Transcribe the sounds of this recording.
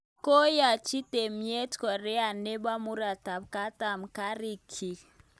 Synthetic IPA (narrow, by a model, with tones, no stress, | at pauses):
ko˦ja˨t͡ʃi˦te˨mje˦tkɔ˨ɾɛ˦a˨ne˦ba˦mu˦ɾa˨ta˨p̚ka˦ta˨mka˦ɾi˦kʰi˨